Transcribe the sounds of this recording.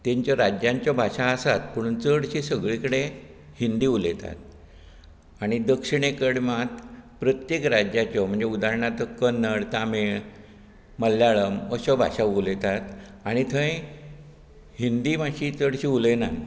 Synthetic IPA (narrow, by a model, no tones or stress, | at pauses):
t̪ẽɲt͡ɕjaɾad͡ʑjãɲt͡ɕjɔbʱaʂaəsat̪pəɽ̤̃unt͡səɽɕisəɡɭikəɽe | hind̪iːulet̪a̰t̪̚ | aɽ̃id̪əkʂiɳ̃ekəɽmat̪pɾət̪jekɾad͡ʑjat͡ɕɔm̤əɳd͡ʑeud̪aɾəɳat̪ɔkənːəɽt̪ameɭ | məlːjaɭəməɕɔbʱa̰ɕaulet̪at̪ | aɽ̃it̪ʰə̃j | hind̪iːmaɕit͡səɽɕiuləna̰n